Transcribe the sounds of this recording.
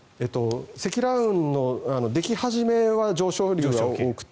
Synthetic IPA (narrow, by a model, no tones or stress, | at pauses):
eːt̪ːo̞se̞kʲiɾaɯ̟̃nːo̞ano̞d̪e̞kʲihaʑime̞βad͡ʑo̞ːɕoːɾʲoːɡaoːkɯ̟̥t̪ː